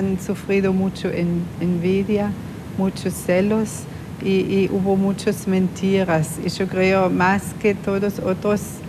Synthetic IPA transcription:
nsufɾiðomut͡ʃoʔenenviðja | mut͡ʃʊsːɛlos | iiʔuβomut͡ʃosmẽnt̪ʰiɾɐsḭʃokɾeomasket̪oðosot̪ɾos

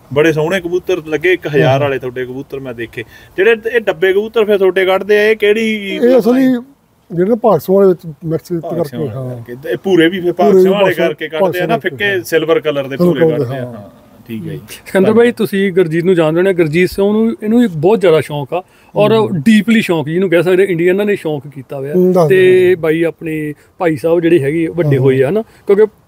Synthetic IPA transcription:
bəɽeːs̬ə̃ːɽẽːkəbuːt̪əɾləɡːeːɪkɦəjaːɾaːleːt̪ʰoːɖeːkəbuːt̪əɾmɛ̃ːd̪eːkʰeːd͡ʒeːɽeːeːɖəbːeːkəbuːt̪ːəɾpʰɪɾt̪ʰoːɖeːkəʈd̪eːaeːkeːɽeiiːəsãːliː | d͡ʒeːɽẽːpaːɡsə̃aːleːʋɪt͡ʃmɛksːt̪kəɾkeɦãːpuːɾeːbiːpʰpaːɾeːiaːleːkəɾkekəaːd̪eːɛːnaːpʰɪkeːsɪlbəɾkələɾd̪eːd̪eãː | ʈʰiːkaːisəkə̃nd̪əɾbaːiːt̪ʊsĩːɡəɾd͡ʒiːt̪nũːd͡ʒaːnd̪ɾɛoːneːɡəɾd͡ʒiːt̪sə̃nũːɪnũːbɔːt̪zjaːd̪aːʃɔːkaː | ɔːɾɖiːpliːʃɔːkd͡ʒinũːk̬ɛːs̬əkd̪ẽːɪ̃ɳɖiəːnãːneːʃɔːkkiːt̪aːʋaːt̪eːbaːiːaːpneː | paːiːsaːbd͡ʒeːɽiːɦɛːɡiːʋəɖeːɦoːiːaːɦnaːkjõːke

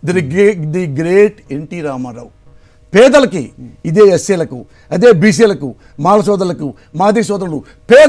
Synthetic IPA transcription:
d̪id̪iɡɾeːʈeɳʈiɾaːmɐɾɐ̰w | peːd̪ɐlɐkḭid̪eːesːijɐlɐkṵ | ɐd̪eːbiːs̬ijɐlɐku | maːlɐsɔːd̪ɐlɐku | maːd̪isɔːd̪ɐɐlu | pɛː

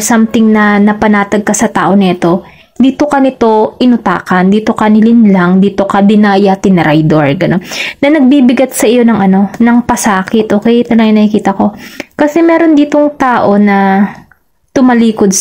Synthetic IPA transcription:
samt̪ɪŋnɐnɐpɐnaːt̪ɐɡ̚kɐsɐt̪aːʔo̞nɐɐt̪o̞ | d̪iːt̪o̞kɐnɪt̪o̞ʔɪnʊt̪a̰ːkɐnd̪iːt̪o̞kɐnɪlɪnlaŋd̪iːt̪o̞kɐd̪ɪnajat̪ɪnɾʔajd̪oɹɡɐnonːɐnɐɡ̚biːbɪɡɐt̪̚sɐʔɪjo̞nɐŋɐno̞nɐŋpɐsaːkɪt̪ʔoːkɛjt̪ɐlɐŋnɐhɪkiːt̪ɐko̞kɐsɛmɛːɾo̞nd̪iːt̪o̞ŋt̪aːʔo̞nɐ | t̪ʊmɐliːko̞d̪̚

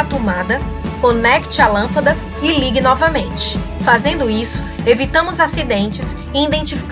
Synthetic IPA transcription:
at̪omad̪ɐkõnɛkt͡ʃɪalɐ̃pɐd̪ɐ | ɪliɡɪnɔvɐmẽnt͡ʃɪ̥fazẽnd̪ʊisʊ̥evit̪ɐ̃mʊzasid̪ẽnt͡ʃɪs | ɪĩd̪ẽnt͡ʃifi̥k

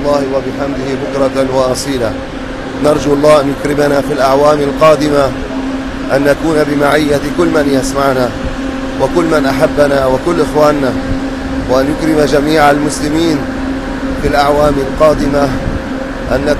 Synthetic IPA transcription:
lˤːɑːhɪwabɪħamd̪ɪhɪbʊkɾˤɑt̪anwɑʔɑsˤiːla | nɑɾˤd͡ʒuʔɑlˤːɑːhʔanjʊkɾɪmanaːfilʔaʕwaːmalqɑːd̪ɪma | ʔanːakuːnabɪmaʕɪjːakʊlːmanjasmaʕna | wakʊlːmanʔaħabːanaːwakʊlːʔɪxwaːnːa | waʔanjʊkɾɪmad͡ʒamiːʕalmʊslɪmiːn | filʔaʕwaːmalqɑːd̪ɪma | ʔanːa

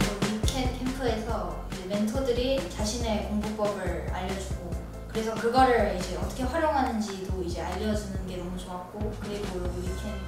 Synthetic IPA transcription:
ojikʰenpʰeŋpʰɯe̞sʰʌ | id͡ʑe̞me̞ntʰodɯɾit͡ɕaɕʰine̞koŋbup͈ʌbɯɭa̰ʎːʌd͡ʑuɡo | kɯɾe̞sʰʌkɯɡʌɾɯɭid͡ʑe̞ʌt͈ʰʌ̥kʰe̞ɸwaɾjoŋɦanɯnd͡ʑidoid͡ʑe̞aʎːʌd͡ʑunɯnɡe̞nʌmut͡ɕoak͈okɯemoɾʌɡojukʰen

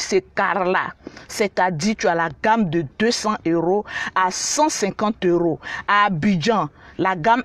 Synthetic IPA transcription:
sekaɾla̰sɛt̪ad̪it̪yalaɡamd̪əd̪øsɑ̃øɾoasãsɛ̃kɑ̃t̪øɾoabid͡ʒã | laɡam

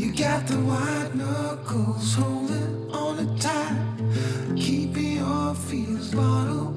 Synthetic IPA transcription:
jɨɡɑt̪̚ðəwaɪt̚nʌkʰoz̥hoʊlˠdɪ | ənɨtʰaɪ | kʰipɪ̃ŋɔfilzbɑɾl̩ˠ

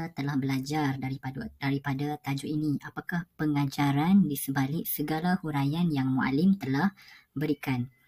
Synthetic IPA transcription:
at̪əlahbəlad͡ʒardaipaddaɾipadat̪ad͡ʒuʔiniapakahpəŋad͡ʒaɾandisəbalɪʔsəɡalahuɾajanjaŋmuʔa̰lɪmt̪əlahbəɾikan

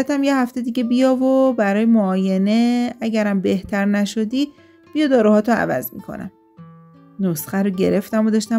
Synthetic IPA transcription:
æt̪ʰæmjehæft̪e̞d̪iɟʲe̞bijɒːvobæɾɒːjemoːje̞ne̞æɟæɾæmbe̞ht̪ʰæɾnæʃo̞d̪iː | b̥ijɒd̪ɒːɾuhɒːt̪ʰoæ̰væ̰zmḭːkʰo̰næ̰m | nosχæɾoɟe̞̰ɾe̞ft̪æmod̪ɒʃt̪æ

